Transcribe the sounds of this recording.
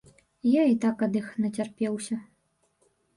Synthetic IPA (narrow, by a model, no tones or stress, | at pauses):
jait̪akɐd̪ɨxnɐt͡sʲarpʲɛwsʲɐ